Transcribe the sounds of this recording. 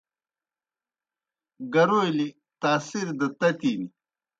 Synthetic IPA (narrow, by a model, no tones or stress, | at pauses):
ɡɐɾojli | t̪aːsiɾd̪ɐt̪ɐt̪iːni